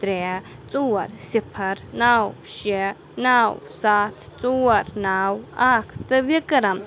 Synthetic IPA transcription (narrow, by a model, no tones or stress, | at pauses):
t̪ɾe | t͡suɐɾsipʰɐɾnawʃe | nawsat̪ʰt͡suɐɾnawakʰt̪ɨbikəɾam